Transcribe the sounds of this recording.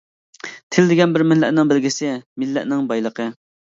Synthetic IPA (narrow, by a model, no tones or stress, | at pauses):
t̪ʰɪld̪ɪɡʲɛnbɪɾmɪlːɛ̰ʔnɪŋbɪlɡʲisɪmɪlːɛ̰ʔnɪŋbɑjlˠəqʰə